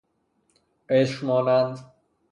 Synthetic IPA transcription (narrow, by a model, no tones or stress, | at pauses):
eʃmɒːnænd̪